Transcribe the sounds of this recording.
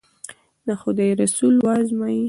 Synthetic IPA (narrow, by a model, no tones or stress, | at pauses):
naxod̪ajɾasulwazmaji